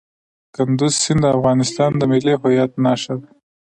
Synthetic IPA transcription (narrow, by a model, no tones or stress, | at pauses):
kand̪uzsɪnd̪əafɣɑnɪst̪ɑnd̪əmɪliɦʊjɑt̪̚nɑʃad̪